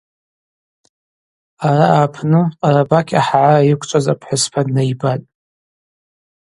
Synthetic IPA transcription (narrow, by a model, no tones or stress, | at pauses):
araaːpʰnɨaɾabakʲʰaħʕarajɪkʷʰt͡ʃʷʼazapʰħʷʊspʰadnajbatʼ